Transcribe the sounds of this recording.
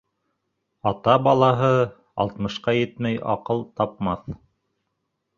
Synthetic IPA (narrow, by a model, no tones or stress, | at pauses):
ɑt̪ɑbɑlˠɑɦɤ | ɑ̰lˠt̪mɤ̆ʃqɑjɘt̪mæjɑ̰qɤlˠt̪ɑp̚mɑθ